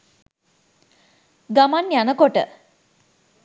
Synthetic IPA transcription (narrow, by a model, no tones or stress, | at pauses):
ɡamanːjanəkoʈə̰